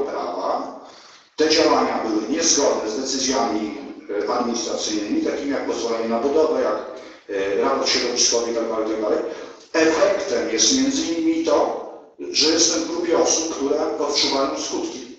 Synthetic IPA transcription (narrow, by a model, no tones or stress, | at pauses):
pɾa̰va̰ | t̪ɛd͡ʑawaɲabɘwɘɲɛzɡɔd̪nɛzd̪ɛt̪sɘzʲjamʲiʔad̪mʲiɲist̪ɾat̪sɘjnɘmʲit̪akʲimʲijak̚pɔzvɔlɛɲɛnabud̪ɔvɛjak | ɾapɔɾt̪ɕɛd̪ɔpʲiskɔvɛit̪aɡd̪alɛjt̪aɡ̚d̪alɛj | ɛfɛkt̪ɛmjɛst̪mʲjɛnd̪zɘɲimʲit̪ɔ | ʐɛjɛst̪ɛmvɡɾupʲjɛɔsup̚kt̪uɾɛpɔt̪ʂuvajɔ̃wskut̪kʲi